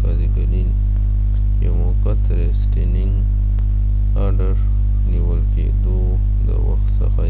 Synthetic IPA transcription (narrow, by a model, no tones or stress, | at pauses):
kaziɡanin | jamokat̪ɾesʈinɪŋɡ | aɖəʂ | niwəlkḛd̪o | d̪ə̰wa̰xt̪sə̰xa